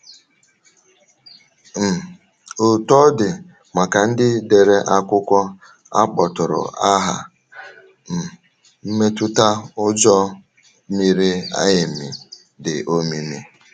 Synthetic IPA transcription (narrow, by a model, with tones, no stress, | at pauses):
m̩˨ | o˨tɔ˦dɪ˨ | ma˨ka˨n̩˦dɪ˦de˨ɾe˦ʔa˦kʷʊ˦kʷɔ˦ | a̰˦k͡pɔ˨tʊ˨ɾʊ̰˨a˦ɦa̰˨ | m̩˨ | m̩˦me˦tʊ˦ta˦ʊ˦d͡ʒɔ˦ | mi˨ɾi˦a̰˦jɪ˨mɪ̰˨ | dɪ˨ʔo˦mi˦mi˦